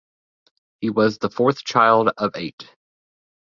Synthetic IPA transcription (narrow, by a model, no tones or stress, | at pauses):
hiwʌzðəfɔɹθt͡ʃʰaɪlˠdʌveɪt